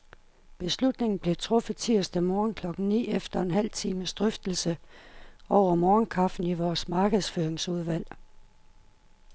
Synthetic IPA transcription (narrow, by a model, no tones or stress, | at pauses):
b̥e̝slud̥ne̝ŋn̩b̥le̝t͡sʰʁɔ̽fəðt͡sʰiɐsd̥əmɒːnkʰlɒ̽ɡ̥n̩nḭːefd̥ɐe̝nɦæl̰t͡sʰiːməsd̥ʁœfd̥l̩sə | ɒʊ̰ɐmɒːnkʰɑ̈fn̩iʋɒːsmɑ̈ːɡ̥əð̞̩ˠsføːɐeŋsuð̞ˠʋæl̰